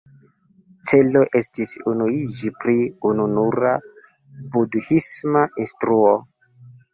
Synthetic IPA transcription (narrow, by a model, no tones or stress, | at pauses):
t͡se̞lo̞ʔe̞stisunuid͡ʒipɾiununuɾa | budhismaʔinstɾuo